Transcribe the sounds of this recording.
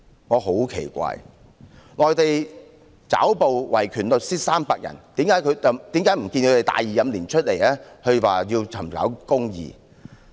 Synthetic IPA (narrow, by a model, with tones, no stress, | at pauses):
ŋɔː˨˧ɦo˨˥wkʰḛ˨˩jkʷa̰ː˧˨j | ŋɔː˨jt̪e˨j | t͡sa̰ː˨˥wpo˨wwɐ̰˨˩jkʰyː˨˩nlɵ˨k̚siː˥t̚saː˥mpaː˧k̚jʔɐ̰˨˩nt̪iː˨˥mkaː˨˥jkʰɵ˨˧ɥt͡sɐ˨t̪i˨˥mkaː˨˥jm̩˨˩kiː˧nkʰɵ˨˧t̪e˨jt̪a̰ː˨jiː˨jɐ˨˧mliː˨˩nt͡ʃʰɵ˥t̚le˨˩jɛː˥hɵ˧waː˨jiː˧wt͡sʰɐ˨˩mka̰ː˨˥wkʊ˥ŋjḭː˨